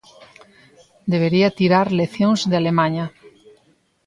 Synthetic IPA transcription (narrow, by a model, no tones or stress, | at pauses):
d̪eβ̞eɾiat̪iɾaɾleθjõŋzðealemaɲa